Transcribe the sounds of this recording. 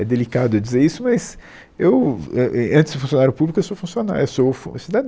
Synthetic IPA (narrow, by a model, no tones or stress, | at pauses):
ɛd̪elikad̪ʊɛd͡ʒizeɾisʊmɐz | ewɛʔɐ̃t̪ɪ̥zd̪ʊfũsijõnaɾjʊpublikʊewsowfũsiona̰ɾewsofṵ̃sid̪ad̪